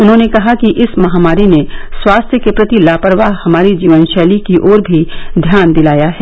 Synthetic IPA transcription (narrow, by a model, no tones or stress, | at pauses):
ʊnɦõːnekɐɦakiʔɪsmɐɦaːmaːɾineswaːst̪ʰjəkepɾɐt̪ilaːpəɾʋaɦhɐmaːɾid͡ʒiːʋənʃɛːlikiʔɔːɾbʱid̪ʱjaːnd̪ɪlaːjaɦɛː